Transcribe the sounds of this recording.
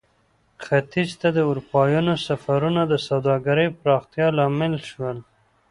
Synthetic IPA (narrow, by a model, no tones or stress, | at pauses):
xat̪id͡ʒt̪ad̪əuɾupɑjɑnosafaɾunad̪əsawd̪ɑɡaɾəjpɾɑxt̪jɑlɑmɪlʃwəl